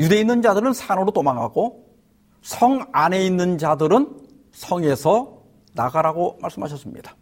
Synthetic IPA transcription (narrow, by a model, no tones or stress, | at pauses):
jude̞inːɯnd͡ʑadɯɾɯnsʰanoɾot͈omaŋɦa̰ɡo | sʰʌŋane̞inːɯnd͡ʑadɯɾɯn | sʰʌŋe̞sʰʌ | naɡaɾaɡomaɭs͈ɯmɦaɕ̬ʰʌs͈ɯmɲḭd̥ḁ